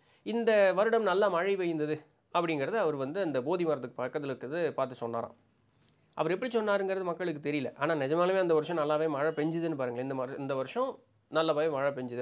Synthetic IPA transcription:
ɪnd̪ɐʋɐɾɯɽɐmnɐlːaːmɐɻiʋɐjɯnd̪ɐðɯ | ɐpːɐɽɪŋɡɪɾɐðɯɐʋɐɾɯʋɐnd̪ɯɐnd̪ɐboːðimɐːɾɐt̪̬ːɯkːɯpaːkːɐðɐlɯkːɐðɯpaːɾt̪ɯsɔnːaːɾã̰ː | ʔɐ̰ʋɐɾɛp̬ːɐɽisɔnːaːɾɯŋɡɪɾɐðɯmɐkːɐɭɯkːɯt̪ɛɾɪjɪlɐ̰ʔaːnaːnɪd͡ʒɐmaːlɐmeːɐnd̪ɐʋɐɾɯʂɔ̃nɐlːaːʋeːmɐɻɐpɛɲd͡ʒɯðɯnːɯp̬aːɾɯŋɡɐɪnd̪ɐmɐɾɪ̰nd̪ɐʋɐɾɯʂɔ̃ | nɐlːɐbaːjemɐːɻɐp̬ɛɲd͡ʒɯðɯ

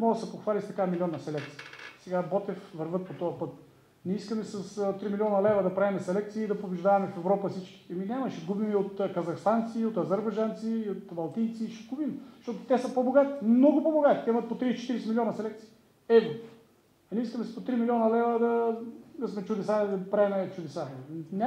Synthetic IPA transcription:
mɔɡəsɛpoxvalʲist̪ɐkamilʲiɔnːɐsɛlɛk̚t̪siisɛɡabɔt̪ɛfvɐɾvɤt̪̚pot̪ɔɐpɤt̪ | nɛiskəmɛsɐst̪ɾimilʲɔnəlɛvəd̪ɐpɾavimɛsɛlɛk̚t̪siiːd̪ɐpobɛʒd̪avɐmɛfɛvɾɔpəsit͡ʃkʲi̥ɛminʲamɐʃɛɡubimiot̪kɐzɐxst̪ant̪siot̪ɐzɐɾbɐjd͡ʒant̪siːot̪bɐlˠt̪ijt̪siʃɛɡubimʃt̪ɔt̪ʊ̥t̪ɛsəpoboɡat̪i̥mnɔɡʊpoboɡat̪i̥t̪ɛimət̪̚pot̪ɾist͡ʃɛ̥t̪iɾɛsɛmilʲiɔnɐsɛlɛkt̪si̥ː | ɛvo | ɐnʲiiskəmɛspot̪ɾimiliɔnɐlɛvəd̪ɐɐsmɛt͡ʃʊd̪ɛsad̪ɐpɾaɛmɛt͡ʃʊd̪ɛsanʲa

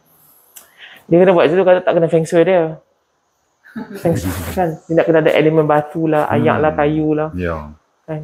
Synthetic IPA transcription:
diəkənabuat̪̚sit̪ukat̪at̪aʔkənafɛŋsədiə | fɛŋskandiənaʔkənaːdaʔḛlemə̃nbat̪ulaha̰ja̰ʔlahkajulah | kan

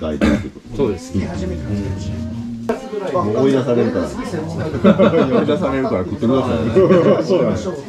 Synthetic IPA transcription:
ɡa̰it̪aekot̪osod̪esɨ̥ie | ooid̪asaɾe̞ɾɯ̟kaɾa | oid̪asaɾe̞ɾɯ̟kaɾakɯt̪ːekɯd̪asajsoːnan

